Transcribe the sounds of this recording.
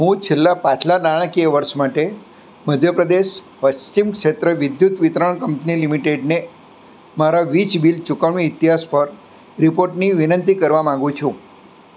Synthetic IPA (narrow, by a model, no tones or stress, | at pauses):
ɦũt͡ʃʰelːapat͡ʃʰlanaɭ̃əkieʋəɾʃmaʈe | məd̪ʱjəpɾəd̪eʃ | pəst͡ʃimkʃet̪ɾəʋɪd̪jut̪ʋit̪ɾəɳ̃kəmpnilimiʈeɖne | maɾaʋit͡ʃbilt͡ʃukəɳmiːt̪iɦaspəɾ | ɾipoɾʈniʋinənt̪ikəɾʋamãŋ̆ɡũt͡ʃʰũ